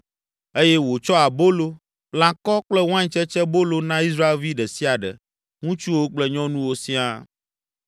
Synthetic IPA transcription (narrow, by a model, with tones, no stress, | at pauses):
e˦jɛ˦wo˨t͡ʃɔ˦a˨bo˦lo˦ | lã˦kɔ˦k͡plɛ˦wã˦ɲ˨t͡ʃɛ˦t͡ʃɛ˦bo˦lo˦nã˦i˦s̬ɾa˦e˦lvi˦ɖɛ˨si˦a˨ɖɛ̰˨ | ŋũ˦t͡ʃu˦wo˦k͡plɛ˦ɲɔ̃˦nũ˦wo˦sĩ˦a˦